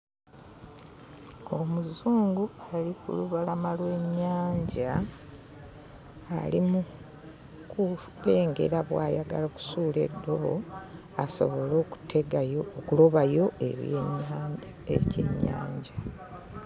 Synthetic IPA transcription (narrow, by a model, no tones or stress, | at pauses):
omuzuːŋɡualikṵluβalamalwe̞ɲːaːɲɟa | limu | ku | βe̞ːŋɡe̞̰ɾaβwaːjaɡalaku̥suːle̞̰dːo̞βo̞̰ | aso̞̰βo̞loːku̥tʰeɡkulo̞βajo̞ḛβ | ecḛɲːa̰ːɲɟa